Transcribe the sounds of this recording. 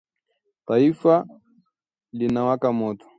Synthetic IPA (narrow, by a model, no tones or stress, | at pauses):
t̪aifa | linawakamɔtɔ̥